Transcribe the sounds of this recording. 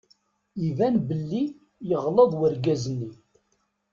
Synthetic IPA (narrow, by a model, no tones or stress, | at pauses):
ivænbəlːi | jəʁləðˤwəɾɡæzənːi